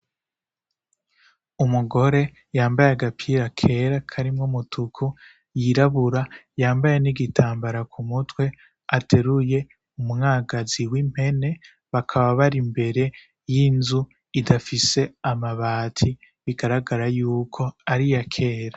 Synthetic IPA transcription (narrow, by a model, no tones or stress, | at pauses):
umuɡo̞ɾe̞ | jaːmbajaɡapʰiɾakʰe̞ːɾakʰaɾimŋomutʰukʰu | jiɾaβuɾajaːmbaje̞niɡitʰaːmbaɾakʰumutwe̞ | atʰe̞ɾuje̞ | umŋaːɡaziwim̥he̞ne̞ | βakʰaβaβaɾimbe̞ɾe̞ | jinzu | idafise̞amaβaːtʰi | βiɡaɾaɡaɾajuːkʰo̞aɾijakʰe̞ːɾa